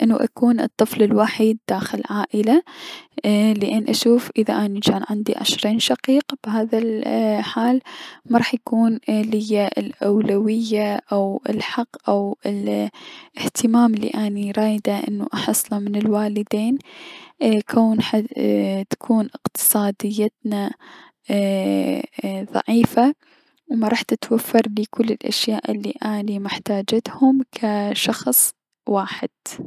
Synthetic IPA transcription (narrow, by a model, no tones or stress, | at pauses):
ʔɪnːuʔa̰kuːnɨ̰t̪ˤːɨflɪlwaħiːd̪ːaːxɪlʕaːʔɪla | lɪʔɪnːʔaʃuːfʔɪðaʔanad͡ʒaːnʕɪnd̪iʕɪ̰ʃɾiːnʃaqiːqb̥ɪɦaːðalħaːlmɑɾˤɑːħjakuːnlɪjːaʔɪ̰lʔawlawɪjːaʔawɪlħɑqːʔawɪl | ɪht̪ʰɪmaːmlːḭʔaniɾˤɑːjd̪aʔɪ̰nːuʔɑħɑsˤːlamɪnɪlwaːlɪd̪eːn | kʰoːnħat̪ḁkʰuːnʔɪqt̪ɨ̥sˤɑːd̪ɪjːat̪na | ðˤɑ̰ʕiːfa | wmɑɾˤɑːħt̪ɪt̪wafːɑɾˤliːkʰʊlːɪlʔa̰ʃjaːʔɪlːḭʔaːnimɪħt̪aːd͡ʒat̪hʊmkʰaʃɑxsˤ | waːħɪd̪̥̚